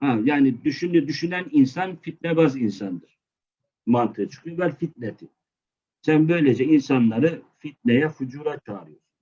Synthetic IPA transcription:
hajaːnid̪yʃynd̪yʃynæninsanfit̪̚nɛbazɯinsand̪ɯɾ̥ | mant̪ʰɯɯt͡ʃʰo̥kibælʲfit̪̚nɛt̪ʰi | sænbø̞jlʲed͡ʒɛinsanlˠaɾɯfit̪̚nɛjɛfud͡ʒuːɾat̪ʰaːɾɯjoɾun

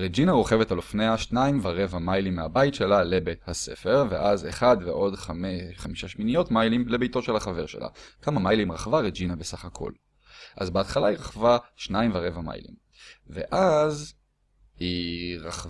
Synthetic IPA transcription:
ʁed͡ʒinaʁo̞χevetalo̞fneaʃnaimvaʁe̞vamajlimːeabaitʃe̞lalebethase̞̰fe̞ʁvḛʔazeχadveʔo̞dχameχamiʃaʃminijo̞tmajlimle̞bejto̞ʃelaχave̞ʁʃe̞̰lʔa̰kamamajlimʁaχvaʁed͡ʒinabesaχakʰo̞̰l | ʔa̰zbeat̪χalaiʁaχvaʃnaimvaʁe̞vama̰jlḭm | vḛʔaz | hiʁaχ

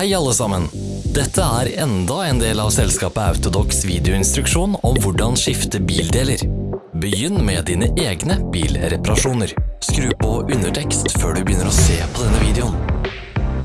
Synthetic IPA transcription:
hæɪɑlːəsɑmən | d̪ɛt̪ʰːəæːɾɛnd̪ɑɛːnd̪eːlɑːʋsɛlskɑːpəɑ̰ʉt̪ʊd̪ɔksʋiːd̪ɛʊɪnst̪ɾʉkʂuːnɔmʋʊɖɑnʂɪft̪əbiːld̪eːləɾbəjʏnːmɛd̪iːnəʔeːɡnəb̥iːlɾɛpɑɾɑʂuːnəɾskɾʉːpɔʔʉnəʈʰɛkst̪føːɖʉbəjʏnːəɾɔseːpʰɔd̪ɛnːəʋiːd̪ɛʊn

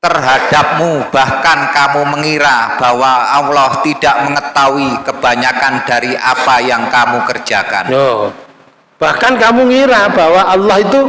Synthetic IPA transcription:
t̪ərɦad̥ap̚mub̥ahkankamuməŋiɾab̥awaːwlɔht̪id̥aʔməŋət̪awikəb̥a̤ɲakand̥aɾiʔapajaŋkamukərd̥ʒ̥aka̰no | b̥ahkankamuŋiɾab̥awaʔːlːɑhit̪u

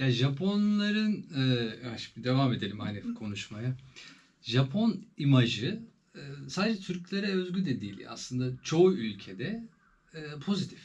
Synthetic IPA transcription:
jaʒapʰo̞nlˠaɾɯnɛːaʃi̥md̪id̪e̞vame̞d̪e̞lʲimanɛfkʰo̞nuʃmaja | ʒapʰo̞nimaʒɯ | saːd̪ed͡ʒɛt̪ʰyɾclʲeɾɛøzɟʲyd̪ɛd̪iːl̰ʲa̰slˠɯnd̪at͡ʃʰo̞uylʲcʰed̪ɛː | pʰo̞zit̪ʰi̥f

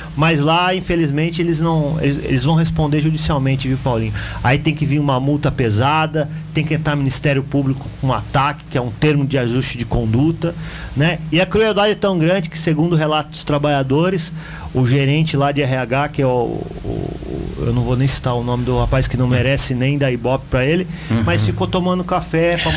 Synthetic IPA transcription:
majzlaĩfelizmẽnt͡ʃɪelɪznɐ̃w̃ḛlɪzḛlɪzvɐ̃w̃ɦespõnd̪eɾʒud͡ʒisiawmẽnt͡ʃɪvipawlĩɲʊait̪ẽj̃kɪvĩɾũmɐmut̪ɐpezad̪ɐt̪ẽj̃kɪẽnt̪aɾminist̪ɛɾjʊpublikʊ̥kõat̪akɪ̥kɪɛũt̪eɾmɪnʊd͡ʒɪaʒust͡ʃɪd͡ʒɪkõnd̪ut̪ɐnɛɪɐkɾuewd̪ad͡ʒɛt̪ɐ̃w̃ɡɾɐ̃nd͡ʒɪkɪ̥seɡũnd̪ʊɦelat̪ʊd̪ʊst̪ɾabaʎad̪oɾɪs | ʊʒeɾẽnt͡ʃɪlad͡ʒɪɛɦɪaɡakɪɛʊ̰ | ḛwnɐ̃w̃vonẽj̃si̥t̪aʊnõmɪd̪ʊhapajskɪnɐ̃w̃meɾɛsɪnẽj̃d̪aibɔpɪ̥pɾɐelɪmɐjsfikot̪õmɐ̃nd̪ʊkafɛpɐ

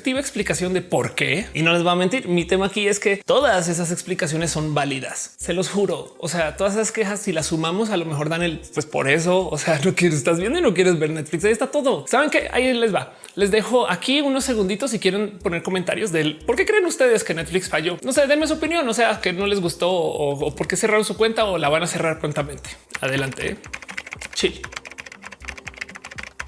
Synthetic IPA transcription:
kt̪iβeksplikasjond̪epo̞ɾke̞ino̞le̞zβaːment̪iɾmit̪e̞maːkie̞ske̞t̪o̞ðase̞s̬as̬e̞ksplikas̬jo̞ne̞sːo̞mbaliða̰sːe̞lo̞sxuɾo̞ | ose̞at̪o̞ðas̬esaske̞xasːilasumamo̞s̬alo̞mexo̞ɾðane̞lpwespo̞̰ɾe̞s̬o̞ose̞ano̞kjeɾesest̪azβjend̪oinok̬je̞ɾezβe̞ɾne̞t̪fliksaiest̪at̪o̞ðo̞saβeŋke̞ʔa̰ile̞zβa | le̞zðe̞xo̞ʔakiuno̞sːe̞ɣ̞und̪it̪o̞sikje̞ɾe̞npo̞ne̞ɾko̞ment̪a̰ɾjo̞zðe̞lpo̞ɾke̞kɾe̞ːnust̪e̞ðe̞skenet̪fliksfaʝo̞no̞se̞ðemes̬uopinjo̞nːose̞akeno̞le̞zɣust̪o̞oːpo̞ɾke̞se̞raɾonsukwe̞nt̪aolaβanase̞raɾpɾo̞nt̪amẽ̞nt̪e̥a̰ðe̞lant̪eḛ | t͡ʃi

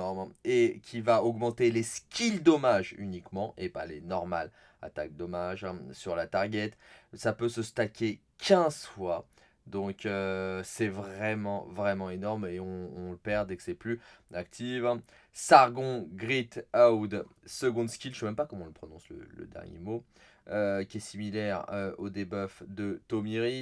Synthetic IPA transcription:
ɔʁmekʲʰivaɔɡmɑ̃t̪eleskʲʰild̪ɔmaʒy̰nikmɑ̃ʔepalenɔʁma̰l | a̰t̪ak̚d̪ɔmaʒɛ̃syʁlat̪aʁɡʲɛt̪sapøsəst̪akʲe | kʰʲɛ̃zfwa | d̪ɔ̃køsɛvʁɛmɑ̃vʁɛmɑ̃enɔʁmeɔ̃ːləpɛʁd̪ɛkə̥sɛplyak̚t̪ʰiṽ | saʁɡɔ̃ɡʁit̪awd̪səɡɔ̃d̪skʲilʃəwamɛmpakɔmɔ̃ləpχɔnɔ̃slə̰lə̰d̪ɛ̰ʁnjḛmo | økʲiɛsimilɛʁøod̪ebœfd̪ət̪omiʁi

